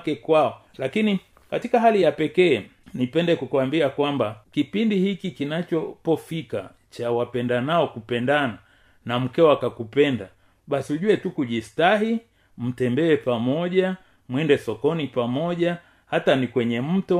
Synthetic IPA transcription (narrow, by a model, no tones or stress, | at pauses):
kɛkwaɔ | lakini | katikaɦalijapɛkɛː | nipɛndɛkukuambiakwambakipindihikikinat͡ʃɔpɔfika̰ | t͡ʃawapɛndanaɔkupɛndana | nam̩kɛwakakupɛnda | ɓasiuʄuɛtukuʄistaɦi | m̩tɛmbɛɛpamɔʄa | mwɛndɛsɔkɔnipamɔʄa | hatanikwɛɲɛm̩tɔ